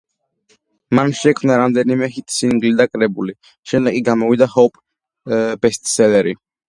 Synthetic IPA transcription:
manʃɛkʰmnaɾamd̪ɛnimɛɦit̪ʰʼsinŋɡlid̪akʼɾɛbuli | ʃɛmd̪ɛkʼiɡamɔvid̪ahɔpʼ | bɛst̪ʼsɛlɛɾi

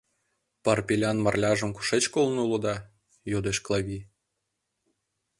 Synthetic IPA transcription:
pɑrpʲilʲɑnmɑrlʲɑʒɤ̆mkuʃet͡ɕkolˠnulˠɤ̆d̪ɑ | jod̪eʃklˠɑβʲi

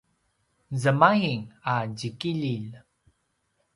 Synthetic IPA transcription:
zəmajiŋaɟikiʎil

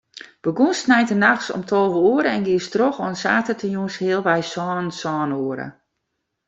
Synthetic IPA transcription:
b̥əɡunstnɛjtənaxsɔ̰mtʰɔlˠvəuəɾəɛnɡiəstroxɔnsa̰ːtətʰəjunshɪəlˠʋɛjsɔːnsɔːnuəɾə̰

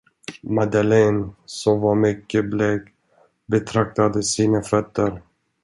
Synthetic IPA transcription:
mad̪alɛnsɔmvaɾmʏkːəblɛk | bɛt̪ʰɾak̚t̪ad̪əsiːnafœt̪ːəɾ

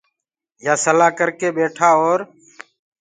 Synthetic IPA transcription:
jaːsəlaːkəɾkeːɓeːʈʰaːoːɾ

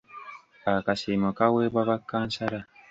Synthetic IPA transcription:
akasimokaweːβaβakːaːnsaɾa

